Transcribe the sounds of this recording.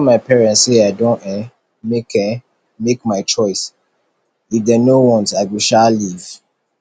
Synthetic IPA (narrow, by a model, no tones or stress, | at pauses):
maɪpʰɛɹɛ̃ntseaɪdõnɛ | mekɛ̃ | mekmaɪt͡ʃɔɪs | ifdɛnowɔ̃ntaɪwiʃaliv̥